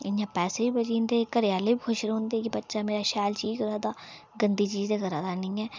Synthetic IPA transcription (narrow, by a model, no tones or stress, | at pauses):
ɪnjãpɛːsebibɐd͡ʒĩːnd̪ekəɾjaːlebikʰʊʃɾõːnd̪ekibɐtːʃameːɾaʃaːlt͡ʃiːd͡ʒɡɐɾaːd̪a | ɡə̃nd̪it͡ʃiːzd̪eɡɐɾaːd̪anɐĩɛː